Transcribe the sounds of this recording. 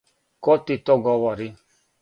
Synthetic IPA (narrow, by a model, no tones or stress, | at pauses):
kɔtitɔɡɔwɔɾi